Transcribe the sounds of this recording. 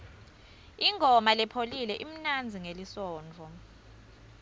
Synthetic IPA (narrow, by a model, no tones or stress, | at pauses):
iŋʱɔmalɛpʰolilɛʔim̩nand͡zʱiŋelisɔːnd͡vʱɔ